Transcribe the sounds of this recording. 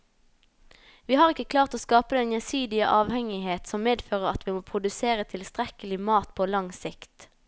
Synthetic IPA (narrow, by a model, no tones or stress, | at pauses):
ʋiːhɑːʁɪkːəkʰlɑːʁt̪oːskɑːpəd̪ɛnjɛsyːd̪ɪəʔɑːʋhɛŋɪɦeːt̪sɔmmeːd̪føːʁəʁɑt̪ʋiːmoːpʰʁʊd̪ʉseːʁət̪ʰɪlst̪ʁɛkəlɪmɑːt̪pʰoːlɑŋsɪkt̪